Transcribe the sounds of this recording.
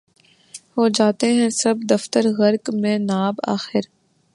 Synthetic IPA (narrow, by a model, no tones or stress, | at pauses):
hoːd͡ʒaːt̪eɦɛ̃sɐbd̪ɐft̪əɾɣɐɾkmẽnaːba̰ːxɪɾ